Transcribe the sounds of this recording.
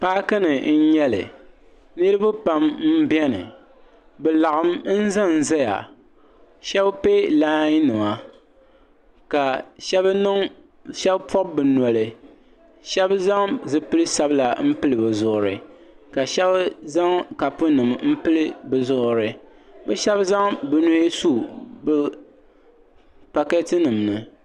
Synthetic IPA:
paː˦kɨ˦nɨ˨n̩˦ɲɛ˦lɨ̰˨ | nɨ˦ɾɨ˦bʊ˦pa˦mm̩˦bjɛ˦nɨ̰˨ | bɛ˨la˨ɣɨ˨mn̩˦za˦n̩˦˨za˦ja̰˨ | ʃɛ˦bpe˦laː˦ɲi˦nɨ˨ma˨ | ka˨ʃɛ˦bnɨ˦ŋ | ʃɛ˦bpʰɔ˦b̚bɨ˨nɔ˨lɨ˨ | ʃɛ˦bza˦ŋzɨ˦pɨ˦lɨ˦sa˦bla˨m̩˦pɨ˦lɨ˨bɨ˨zʊ˦ʔʊ˨ɾɨ˨ | ka˨ʃɛ˦bza˦ŋka˨pʊ˦nɨ˨mm̩˦pɨ˦lɨ˦bɨ˨zʊ˦ʔʊ˦ɾɨ˨ | bɛ˦ʃɛ˦bza˦ŋbɨ˨nu˦he˦su˦bɨ˦ | pa˦kɛ˦tɨ˦nɨ˨mnɨ˨

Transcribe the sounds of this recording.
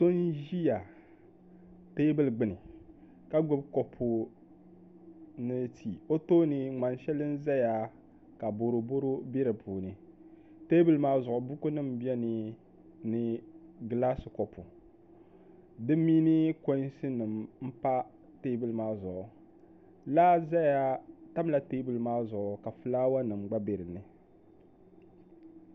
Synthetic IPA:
to˦nʒi˦ja˨ | te˦bɨ˦lɡ͡bɨ˨nɨ˨ | ka˦ɡo˦bko˨pʰu˨ | nɨ˦tʰi˨o˦to˦nɨ˨ŋ͡ma˨n˦ʃɛ˦lɨ˦n˦za˦ja˨ | ka˨bo˨ɾo˨bo˦ɾo˦bi˦ɾɨ˨pʰuː˨nɨ˨ | te˦bɨ˦lmaː˦zʊ˨ʔʊ˨bu˦ku˦nɨ˦m˨bi˦ɛ˦nɨ˨ | nɨ˦ɡlaː˦sɨ˨kɔ˨pu˨ | dɨ˦miː˦nɨ˦ko˦sɨ˦nɨ˨mm̩˦pa˦ | te˦bɨ˨lmaː˦zʊ˨ʔʊ˨ | laː˦za˦ja˦ta˦m˦la˨te˦bɨ˨lmaː˦zʊ˨ʔʊ˨ka˨fɨ˨˦laː˦wa˦nɨ˨mɡ͡ba˦be˨ɾɨ˨nɨ˨

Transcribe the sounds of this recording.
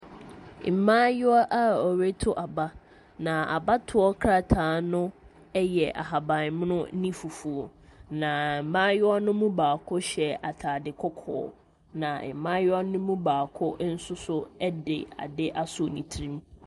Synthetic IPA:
m̩˨mã˦jʊ˦a˦ʔa˦ɔ˨ɾe˦tʰʊ˦ʔa˨ba˦ | nã˨a̰˨ba˦tʰʊ˨ɔ˦kʰɾa˦˨tʰa˨˦nʊ̃˦ | ɛ˦jɛ˨ʔa̰˨ɦa˨bã˨m˦nʊ̃˦nĩ˦fu˨fu˨o˨nã˨mãː˦jʊ˦a˦nʊ̃˦mũ˦baː˨kʰʊ˦ɕɛ˨a˨tʰaː˨dɪ˨kʰɔ˦kʰɔ̰ː˨˦ | nã˨m̩˨mã˦jʊ˦a˦nʊ̃˦mũ˦baː˨kʰʊ˦n̩˦sʊ˦sʊ˦ɛ˦dɪ̰˨a̰˨dɪ˦ʔa˦sʊ˨nĩ˨tʰɾĩ˦m

